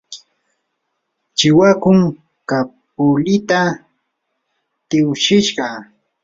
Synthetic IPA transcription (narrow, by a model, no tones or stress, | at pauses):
t͡ʃɪwakʊŋ | kap̚ʊlɪt̪a | t̪ɪwʃɪʃɢɑ